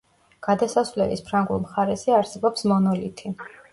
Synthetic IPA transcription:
ɡ̥ad̪asasvlɛ̰lḭspʰɾaŋɡulˠmχaɾɛsiaɾsɛbɔpsmɔnɔlit̪ʰi

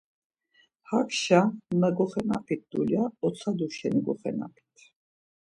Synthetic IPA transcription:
hakʰʃanəɡɔχɛnapʰit̪̚d̪uljaɔt͡sʰad̪uʃɛniɡɔχɛ̰na̰pʰi̥t̪ʰ

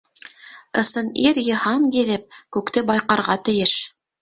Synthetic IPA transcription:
ɤ̆sɤniɾjɤ̆hɑŋkiðɘp̚kʉkt̪ɘbɑjqɑɾʁɑt̪ɘ̆jɘʃ

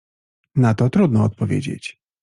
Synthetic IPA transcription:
nat̪ɔt̪ɾud̪nɔːt̪̚pɔvʲjḛd͡ʑḛt͡ɕ

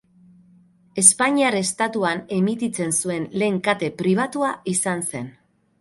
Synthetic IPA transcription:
e̞spaɲiaɾest̪at̪uane̞mit̪it͡se̞nsue̞nle̞ːŋkat̪e̞pɾiβ̞at̪uaisanse̞n

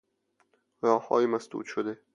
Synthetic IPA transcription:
ɾɒːhhɒ̰ːjimæsd̪ṵːd̪ʃod̪e

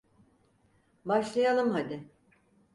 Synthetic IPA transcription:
baʃlˠajalˠɯmɦad̪ɪ

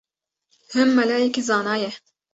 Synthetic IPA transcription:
hɨmːɐlaːjɛkizɑːnɑːjɛ

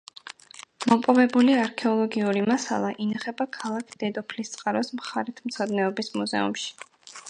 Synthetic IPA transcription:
mɔpʼɔbɛbuliaɾkʰɛɔlˠɔɡiuɾimasa̰lˠaʔinaχɛbakʰalˠakʰd̪̥ɛd̪ɔpʰlist̪sʼqʼaɾɔsmχaɾit̪ʰmt̪sʰɔd̪nɛɔbismuzɛ̰ṵmʃi̥

